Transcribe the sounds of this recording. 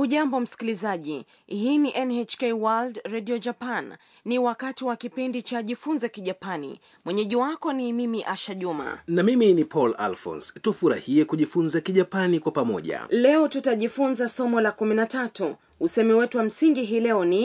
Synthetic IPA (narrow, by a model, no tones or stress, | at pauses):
uʄambɔm̩si̥kilizaʄi | hiːniʔɛnɛt͡ʃkɛwaldɾɛɗiɔd͡ʒapanː | iwakatiwakipindit͡ʃaʄifunzɛkiʄapanḭ | mwɛɲɛʄiwakɔnimimiʔaʃaʄuma̰namiminipʰɔla̰lfɔ̰̃nstufuɾa̰hiɛkuʄifunzakiʄapanikwapamɔʄa̰lɛɔtutaʄifunzasɔmɔlakuminatatu | usɛmiwɛtuwam̩siŋɡiɦiːlɛɔni